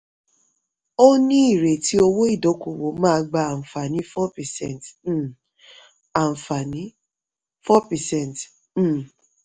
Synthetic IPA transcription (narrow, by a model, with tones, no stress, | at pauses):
o˦nĩ˦i˦˨ɾe˨ti˨˦o˧wo˦i˦˨do˨˦ku˨wo˨˦mãː˦ɡ͡ba˧a˨m̩˨fa˨nĩ˨˦fɔ˦pɛ˨sɛ̰̃˦˨nt | a˨fa˨nĩ˨˦ | fɔ˦pɛ˨sɛ̃˦˨n˨t̩˦˨